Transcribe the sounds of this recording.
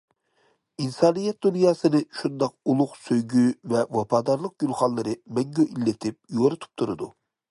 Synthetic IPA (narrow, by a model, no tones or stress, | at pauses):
insɑːnɨjɛt̪̚d̪unjɑːsɨnɨʃund̪ɑq̚ulˠʊqsøjɡʲyvɛwɑpʰɑːd̪ɑɾlˠəq̚ɡylˠχɑnlːˠɨɾɨmɛŋɡʲøʔilːɪt̪ʰɪp̚joɾɨt̪ʰu̥p̚t̪ʰuɾɨd̪u